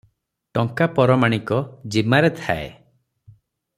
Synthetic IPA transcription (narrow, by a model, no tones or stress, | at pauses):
ʈɔŋkapɔɾɔmaɽ̃ikɔd͡ʒimaɾet̪ʰaḛ